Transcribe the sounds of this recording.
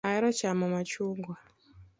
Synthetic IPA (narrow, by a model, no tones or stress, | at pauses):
aiɾɔt͡ʃamɔmat͡ʃuːŋɡwa